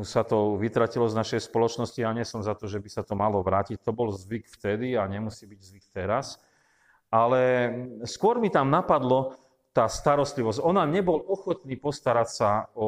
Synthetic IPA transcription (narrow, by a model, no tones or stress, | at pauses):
sat̪ɔʋit̪ɾacilɔznaʃɛjspɔlɔt͡ʃnɔscijaɲɛsɔmzat̪ɔʒɛbisat̪ɔmalɔʋɾaːcic̚t̪ɔbɔlzʋikft̪ɛd̪iaɲɛmusiːbiɟzʋik̚t̪ɛɾas | alɛskʊɔɾmit̪amnapad̪lɔ | t̪aːst̪aɾɔst̪liʋɔscɔnaɲɛbɔlɔxɔt̪niːpɔst̪aɾacsaɔ